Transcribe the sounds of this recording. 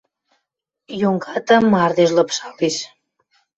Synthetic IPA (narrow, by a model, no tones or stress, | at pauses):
joŋɡɑt̪əmːɑrd̪eʃləpʃɑliʃ